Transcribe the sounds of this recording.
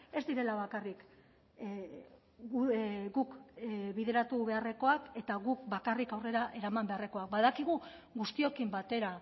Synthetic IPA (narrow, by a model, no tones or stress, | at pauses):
e̞zd̪iɾe̞laβ̞akarik | ɡukβiðe̞ɾat̪uβe̞are̞ko̞ake̞t̪aɣuk̚bakarikawre̞ɾaʔe̞ɾamambe̞are̞ko̞ak̚baðakiɣ̞u | ɣust̪io̞kimbat̪e̞ɾa